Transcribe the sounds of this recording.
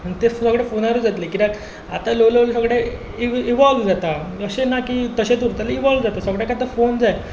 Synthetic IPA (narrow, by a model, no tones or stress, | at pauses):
əɳt̪efsəɡɽefonaɾud͡zat̪lekiɾak | at̪aloleʋls̬əɡɽe | iiʋɔlʋd͡zat̪aəɕenakit̪əɕet̪uɾt̪aleiʋɔlʋd͡zat̪asəɡɽjakat̪əfond͡zae